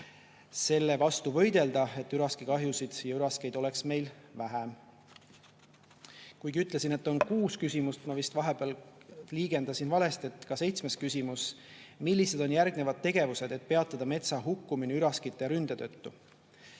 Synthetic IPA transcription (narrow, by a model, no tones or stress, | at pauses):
se̞lːe̞vɑst̪uvɤ̞jd̪̥e̞ld̪ɑe̞t̪ːyɾɑskikɑɦjusid̪̥jɑyɾɑske̞jd̪̥o̞leksme̞jlvæɦæm | kujɡ̥iyt̪ːˑle̞sine̞t̪ːˑo̞nkuːskysʲimust̪mɑvist̪vɑɦeb̥eɑlliːɡ̥e̞nd̪ɑsinvɑle̞st̪e̞t̪ːˑkɑse̞jt̪sme̞skysʲimus | milʲːise̞d̪̥o̞njærɡ̥ne̞vɑd̪̥̚t̪ːe̞ɡ̥e̞vuse̞d̪̥e̞t̪̚pe̞ɑt̪ːˑɑd̪̥ɑme̞t̪sɑɦukːuminiyɾɑskit̪ːˑeɾynd̪̥et̪ø̞t̪ːu